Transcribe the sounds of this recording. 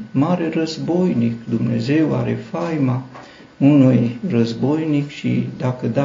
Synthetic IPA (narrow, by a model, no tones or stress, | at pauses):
maɾe̞rəzbo̞jnikd̪umne̞̰ze̞wa̰ɾe̞̰fajma | unujrəzbo̞jnikʃḭd̪akəd̪a